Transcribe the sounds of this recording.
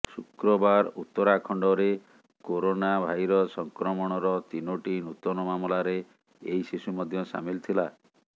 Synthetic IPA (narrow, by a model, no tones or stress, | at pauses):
sukɾɔbaɾut̪ːɔɾakʰɔɳɖɔɾe | koɾonabʱajɾɔsɔŋkɾɔmɔɽ̃ɔɾɔt̪inoʈinut̪ɔnɔmamɔlaɾe | ejsisumɔd̪ʱjɔsa̰milt̪ʰila